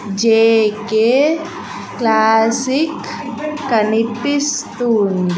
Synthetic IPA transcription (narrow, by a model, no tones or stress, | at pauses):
d͡ʒeːke | klaːsikː | əniʈist̪uːnɖ